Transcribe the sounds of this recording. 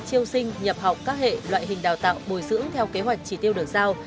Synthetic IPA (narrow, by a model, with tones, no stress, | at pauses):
t͡ɕi˧əwsï˧ŋ̟ɲə˨˩p̚ha˨˩wk͡p̚kaː˦˥k̚hḛ˧˨lwa̰ː˧˨jɦï˨˩ŋ̟ɗaː˨˩wt̪a̰ː˧˨wɓo˧˩jzɨ̰˧˥əŋt̪ʰɛ˧wke˨˦ɦwa˨˩jk̚t͡ɕi˧˩t̪i˧əwɗɨ˨˩ək̚zaː˧w